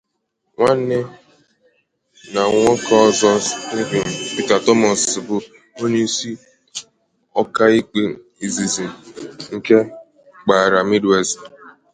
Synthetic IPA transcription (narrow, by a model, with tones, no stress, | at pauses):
ŋʷa˦n˦ne˦ | na˨ŋʷɔ˦ka˦ɔ˦zɔ˦ni˦ɡ͡bi˨m̩˨pi˦ta˨tɔ˦mɔ˨ssɪ˨bʊ˦ | o˦ɲe˦si˦ | ɔ˦ka˦i˦k͡pe˨ | i˨zi˨zi˨ŋ̩˦˨ke˦ | k͡pa˨ɾa˨mi˦de˦si˨